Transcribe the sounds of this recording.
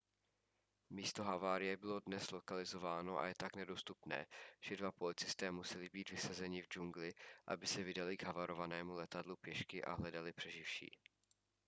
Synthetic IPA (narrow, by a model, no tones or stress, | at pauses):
miːst̪o̞ɦavaːɾɪjɛbɪlo̞dnɛslo̞kalɪzo̞vaːno̞ʔa̰jɛt̪aknɛdo̞st̪upnɛ̰ːʒ̥ɛdvapo̞lɪt͡sɪst̪ɛːmusɛlɪbiːt̪vɪsazɛɲɪvd͡ʒuŋɡlɪʔa̰bɪsɛvɪdalɪɡɦavaɾʔo̞vanɛːmulɛt̪adlupjɛʃkɪʔa̰ɦlɛdalɪpr̝̥ɛʒɪfʃḭː